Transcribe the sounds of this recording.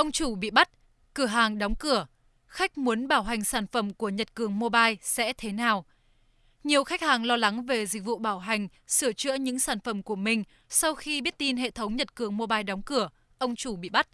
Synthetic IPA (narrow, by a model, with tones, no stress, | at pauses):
ʔə˧wŋ͡mt͡ɕu˧˩ɓḭ˧˨ɓa˦˥t̚ | kɨ˧˩əɦaː˨˩ŋɗɔ˨˦wŋ͡mkɨ˧˩ə | xa˦˥jk̟̚mu˨˦ənɓaː˧˩wɦa˨˩jŋ̟saː˧˩nfə˧˩mku˧˩əɲə˨˩t̚kɨ˨˩əŋmo˧ɓaː˧jsɛ̰˧˥t̪ʰe˨˦naː˨˩w | ɲi˨˩əwxa˦˥k̟̚haː˨˩ŋlɔ˧la˨˦ŋve˨˩zï˨˩k̟̚vṵ˧˨ɓaː˧˩wɦa˨˩jŋ̟ | sɨ˧˩ət͡ɕɨ̰˧˥əɲɨ̰˧˥ŋsaː˧˩nfə˧˩mku˧˩əmï˨˩ŋ̟ | sa˧wxi˧ɓi˦˥ət̚t̪i˧nɦḛ˧˨t̪ʰə˨˦wŋ͡mɲə˨˩t̚kɨ˨˩əŋmo˧ɓaː˧jɗɔ˨˦wŋ͡mkɨ˧˩ə | ʔə˧wŋ͡mt͡ɕu˧˩ɓḭ˧˨ɓa˦˥t̚